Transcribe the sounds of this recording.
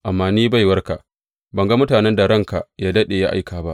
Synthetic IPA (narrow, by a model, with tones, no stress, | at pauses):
ʔa˨mːaː˨niː˦ba˦˨jwɐ˦rka˨ʔ | bɐ˨ŋɡa˦mʊ˦taː˨nɛ˦nda˨ɽɐ˦˨ŋka˨ʔjaː˦dɐ˦ɗeː˨ja˦ʔa˦jkaː˨ba˦ʔ